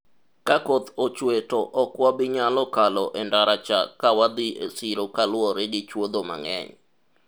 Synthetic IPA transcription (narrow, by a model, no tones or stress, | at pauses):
kakot̪ot͡ʃwetɔʔɔkwabɪɲalɔkalɔʔɛndaɾat͡ʃa̰kawad̪ɪʔesiɾokalwɔɾedit͡ʃwod̪oma̰ŋɛ̰ɲ